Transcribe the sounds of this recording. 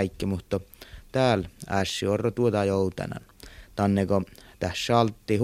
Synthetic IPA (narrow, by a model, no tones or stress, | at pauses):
ikːimut̪ːot̪æːlæsːiorːot̪uot̪ɑjoˑut̪ɑ̰nɑ̰nt̪ɑnːekot̪æsːɑlt̪ːiː